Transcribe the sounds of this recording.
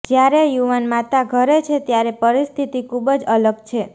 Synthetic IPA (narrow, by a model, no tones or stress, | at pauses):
d͡ʒjaɾejuʋanmat̪aɡʱəɾet͡ʃʰet̪jaɾepəɾist̪ʰit̪ikʰubəd͡ʒələɡt͡ʃʰe